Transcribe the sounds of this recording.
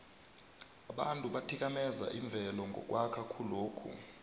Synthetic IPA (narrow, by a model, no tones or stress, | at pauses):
aɓantʼuɓatʰik̬ʼamɛza̰ʔiɱb̪vʱɛlɔŋɡʱɔ̰k̬ʼwakʰakʰuloːkʰṵ